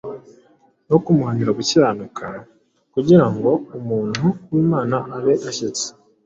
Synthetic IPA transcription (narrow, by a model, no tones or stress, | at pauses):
no̞kumuhaniɾaβuciɾaːnukʰa | kuɟiɾaŋɡo̞umuːnhuwiːmaːnaːβe̞ʔaçit͡se̥